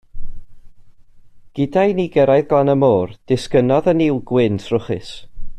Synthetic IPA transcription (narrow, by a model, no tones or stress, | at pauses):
ɡ̥ɪdajniɡɛɾajðɡˠɔnəmoːrd̥ɪskənɔðəniːlˠɡwɪntʰrʊχɪ̰s